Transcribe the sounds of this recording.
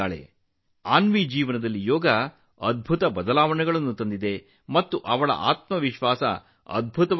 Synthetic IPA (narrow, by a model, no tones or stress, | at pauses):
aːɭḛ | aːnmid͡ʒiːʋɐnɐd̪ɐlːijɔːɡɐ | ɐd̪̚bʱut̪ɐbɐd̪ɐlaːʋɐɳɛɡɐɭɐnːut̪ɐnd̪id̪e̞ | mɐt̪ːuʔɐʋɐɭɐ̰ʔa̰ːt̪mɐʋiʃʋaːsɐ̰ | ɐ̰d̪̚bʱut̪ɐ